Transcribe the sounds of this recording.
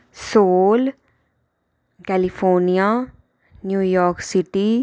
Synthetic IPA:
soːl | kɛlifʰoːnija | njuːjɔːksiʈi

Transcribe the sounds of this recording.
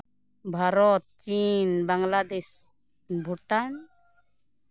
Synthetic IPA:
bʱaɾɔt̪̚t͡ʃinbaŋlad̪es | bʱuʈan

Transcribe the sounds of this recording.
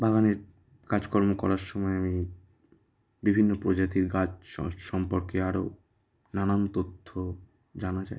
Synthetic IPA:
baɡaneɾ | kad͡ʑkɔɾmokɔ̰ɾaɾʃɔmɔeami | bibʱinːopɾod͡ʑat̪̬iɾɡat͡ɕʃɔmpoɾkeaɾo | nanant̪ot̪ʰːo | d͡ʑanat͡ɕa̰j

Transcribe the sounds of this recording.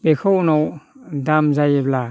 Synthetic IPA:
bexownowdamzajebla

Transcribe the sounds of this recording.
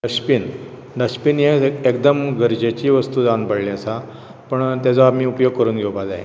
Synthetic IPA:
ɖəɕpiːn | ɖəɕpiːnjẽekd̪əmɡəɾd͡ʑet͡ɕiːʋəst̪uːd͡zanpəɽlĩəsa | pəɳt̪jat͡sɔamiːupjoɡ̚kəɾuːnɡʱewbad͡zaɦḛ

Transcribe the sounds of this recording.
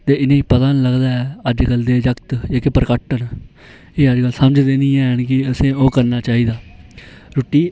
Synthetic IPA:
t̪eːɪnẽːiːpət̪ãːnləɡd̪aːɛːəd͡ʒkəld̪eːd͡ʒəkt̪eːkepəɾkəʈən | eːəd͡ʒkəlsəməd͡ʒd̪ẽːnĩːɛ̃ːɦənkɪəsẽːoːkəɾnaːt͡ʃaːiːd̪aː | ɾoːʈːiː

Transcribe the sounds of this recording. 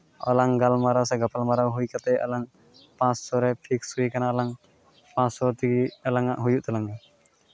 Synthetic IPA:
ɔ̰laŋɡalmaɾawsɛɡapʰalmaɾawɦujkat̪ɛʔɔ̰laŋ | pãssɔɾɛpʰiksujkanaɔlaŋ | pãssɔt̪iɡiəlaŋaʔɦujuʔt̪ɛlaŋa

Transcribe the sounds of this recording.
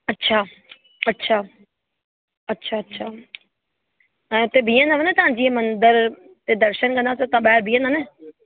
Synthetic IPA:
ɐtːɕʰaː | ɐtːɕʰaː | ɐtːɕʰaːɐtːɕʰaː | ɛ̃ːʊt̪ebʱĩːə̃nəʋənet̪ɐʋãɲd͡ʑiẽmɐ̃nd̪əɾ | t̪ed̪ɐɾʃənkɐ̃nd̪asẽt̪ãɓaɦɪɾbʱĩːənəne

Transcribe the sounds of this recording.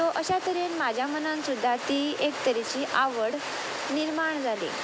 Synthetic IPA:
t̪oʔəɕat̪əɾenmad͡ʑʱjamənãnsud̪ʱːat̪iekt̪əɾet͡ɕiːʔaʋəɽ | niɾmaɳd͡zʱalḭ

